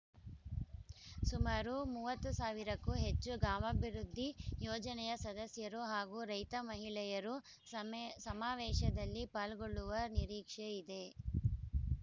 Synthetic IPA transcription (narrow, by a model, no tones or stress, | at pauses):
sumaːɾumuːʋɐt̪ːusaːʋiɾɐkːuɦe̞t͡ʃːuɡaːmɐbʱiɾud̪ʱːijoːd͡ʒɐnɛjɐsɐd̪ɐsjɐɾuɦaːɡuɾɐjt̪ɐmɐɦiɭɛjɐɾu | sɐmaːʋɛːʃɐd̪ɐlːipaːlɡoɭːuʋɐniɾiːkʂeid̪e̞